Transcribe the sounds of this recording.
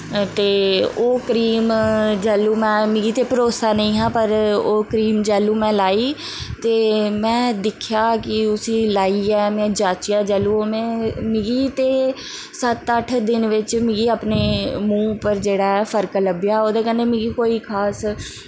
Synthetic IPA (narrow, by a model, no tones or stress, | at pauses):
t̪eːoːkəɾiːmd͡ʒɛːlːuːmɛ̃ːmɪ̃ɡiːt̪eːpəɾoːsaːnəĩːɦãːpəɾoːkəɾiːmd͡ʒɛːlːuːmɛ̃ːlaːiː | t̪eːmɛ̃ːd̪ɪkʰjaːkɪʊsĩːlaːiːɛːmɛ̃ːd͡ʒaːt͡ʃijaːd͡ʒɛːlːuːoːmɛ̃ːmɪ̃ɡiːt̪eː | sət̪əʈʰd̪ɪnʋɪt͡ʃmɪ̃ɡiːapneːmũːpəɾd͡ʒeːɽaːɛfʰəɾkləbjaːoːd̪aːkɛ̃nd̪eːmɪ̃ɡiːkoːiːkʰaːs